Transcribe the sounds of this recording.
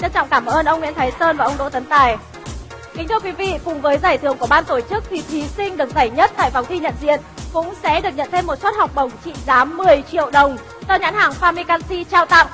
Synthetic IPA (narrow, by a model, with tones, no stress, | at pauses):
ɲə˧nt͡ɕɔ̰˧˨wŋ͡mkaː˧˩mʔəː˧nʔə˧wŋ͡mŋḭ˧˥ənt̪ʰaː˨˦jsəː˧nvaː˨˩ʔə˧wŋ͡mɗo̰˧˥t̪ə˨˦nt̪aː˨˩j | ki̟˨˦t̪ʰɨ˧əkwi˨˦vḭ˧˨kʊ˨˩ŋ͡mvəː˨˦jzaː˧˩jt̪ʰɨ˧˩əŋku˧˩əɓaː˧nt̪o˧˩t͡ɕɨ˦˥k̚t̪ʰi˨˩t̪ʰi˨˦sï˧ŋ̟ɗɨ˨˩ək̚za˧˩jɲə˦˥t̚t̪a̰ː˧˨jfa˨˦wŋ͡mt̪ʰi˧ɲə̰˧˨nzḭ˧˨ənkʊ̰˧˥ŋ͡msɛ̰˧˥ɗɨ˨˩ək̚ɲə̰˧˨nt̪ʰe˧mːo˨˩t̚sə˦˥t̚ha˨˩wk͡p̚ɓə˨˧˩wŋ͡mt͡ɕḭ˧˨zaː˨˦mːɨ˨˩əjt͡ɕḭ˧˨əwɗə˨˩wŋ͡m | za˧ɲa̰˧˥nhaː˨˩ŋfaː˧mi˧kaː˧nsi˧t͡ɕaː˧wt̪a̰˧˨m